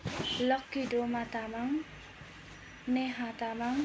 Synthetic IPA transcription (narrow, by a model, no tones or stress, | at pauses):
ləkːidomat̪amaŋ | neɦat̪amaŋ